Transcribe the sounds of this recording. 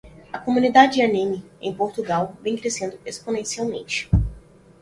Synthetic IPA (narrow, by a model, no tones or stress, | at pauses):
ɐkomũnid̪ad͡ʒɪd͡ʒanẽmiḛ̃j̃poɾt̪uɡawvẽj̃kɾesẽnd̪ʊesponẽsiawmḛ̃nt͡ʃɪ̥